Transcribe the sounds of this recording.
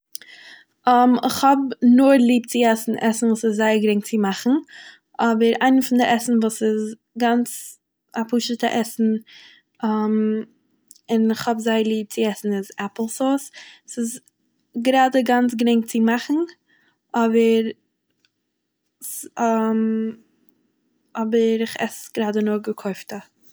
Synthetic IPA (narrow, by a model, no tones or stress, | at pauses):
ɔmɪχhɔbnʊɾlˠiːb̚t͡sɪɛsn̩ʔɛsn̩vuːsɪzzaɪəɾɡɾɪŋt͡sɪmaχn̩ | ʔɔbəɾaɪnəfɪndɪʔɛsn̩vuːsɪz | ɡant͡s | apuːʃətə̰ʔɛsn̩ | am | ɪnɪχhɔbzaɪəlˠiːt͡sɪɛsn̩ɪzɛpl̩ˠsɔssɪz | ɡɾaːdəɡant͡sɡɾɪŋt͡sɪmaχn̩ | ʔɔbəɾ | m | ɔbəɾɪχɛ̰sɡ̥ɾaːdənʊɾɡəkʰɔɪftə